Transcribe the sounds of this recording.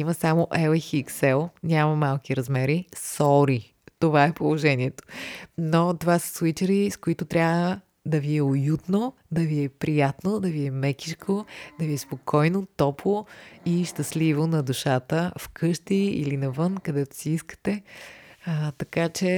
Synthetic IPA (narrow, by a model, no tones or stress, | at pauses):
iməsamoʔɛlɛxiksɛlˠnʲamɐmalˠk̟iɾɐzmɛɾisɔɾi | t̪ovaɛpolˠoʒɛnʲiɛt̪o̥not̪ovasə̥swit͡ʃəɾiskoit̪ot̪ɾʲabvə | d̪ɐviɛojut̪no | d̪ɐviɛpɾijat̪nod̪ɐviɛmɛkʲiʃkʰod̪ɐviɛspokʰɔjnot̪ɔplˠoiʃt̪ɐslivonɐd̪uʃat̪əfkʰɤʃt̪iḭlinɐvɤnkɐd̪ɛt̪o̥siiskə̥t̪ɛ | ət̪ɐkat͡ʃɛ